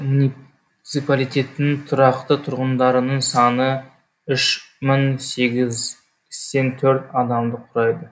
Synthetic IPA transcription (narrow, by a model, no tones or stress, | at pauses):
muni | t̪sɨpalˠijt̪ʲe̞t̪nɪŋt̪ʰʊɾɑqt̪ət̪ʰʊɾʁənd̪ɑɾənəɴsɑnə | ʏʃmɪŋse̞ɡʲɪz | st̪e̞nt̪ʰɵɾt̪ɑd̪ɑmd̪əqʰʊɾɑjd̪ə